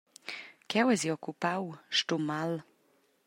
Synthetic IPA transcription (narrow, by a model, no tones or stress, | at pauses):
kʰɛwɛziɔkupawʃt̪umal